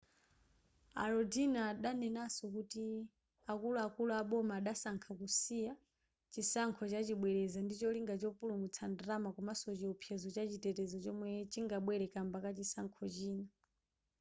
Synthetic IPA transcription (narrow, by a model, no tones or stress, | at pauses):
a̰ɾɔdinaːɗanɛnasɔkuti | akuluakuluaɓɔmaːɗasaŋkʰakusija | t͡ʃisaŋkʰɔt͡ʃat͡ʃiɓwɛɾɛzandit͡ʃɔliŋɡat͡ʃɔpulumut͡sʰandɾamakumasɔt͡ʃiɔpʰjɛzɔt͡ʃat͡ʃitɛtɛzɔt͡ʃɔmwɛt͡ʃiŋɡaɓwɛɾɛkambakat͡ʃisaŋkʰɔt͡ʃiːna